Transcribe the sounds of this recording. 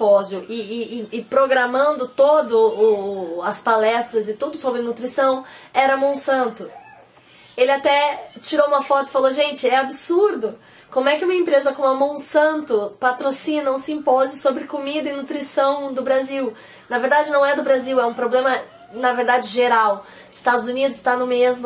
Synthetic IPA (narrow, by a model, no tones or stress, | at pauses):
pɔzjʊʔɪɪːpɾoɡɾamɐ̃nd̪ʊt̪od̪ʊʊɐspalɛst̪ɾɐzɪt̪ud̪ʊsobɾɪnut̪ɾisɐ̃w̃ɛɾɐamõw̃sɐ̃nt̪ʊ | elɪat̪ɛt͡ʃiɾowũmɐfɔt̪ʊɪ̥faloʒẽnt͡ʃɪɛabɪsuɾd̪ʊ | kõmʊɛkɪũmɐẽmpɾezɐkõmamõw̃sɐ̃nt̪ʊpat̪ɾosĩnɐ̃w̃sĩpɔzɪsobɾɪkomid̪ɐɪnut̪ɾisɐ̃w̃d̪ʊbɾaziw | nɐveɾd̪ad͡ʒɪnɐ̃w̃ɛd̪ʊbɾaziwɛũpɾoblẽmɐ | nɐveɾd̪ad͡ʒɪʒeɾaw | ɪst̪ad̪ʊzunid̪ʊsst̪anʊmezmʊ